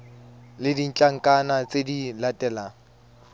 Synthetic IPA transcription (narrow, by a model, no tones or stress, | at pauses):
lɪdin̩t͡ɬʼaŋ̩kʼanat͡sʼedilatʼɛːlaːŋ̩